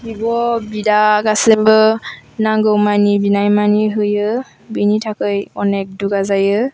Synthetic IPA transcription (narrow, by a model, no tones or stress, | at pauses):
ɡibɔbidaɡasembɯnaŋɡɯwmanibinajmaniɦɯjɯ | binitʰakɯjɔnek̚duɡazajɯ